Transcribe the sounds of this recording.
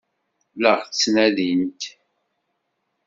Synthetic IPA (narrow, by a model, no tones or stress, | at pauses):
ləʁθt͡sːnæðint̪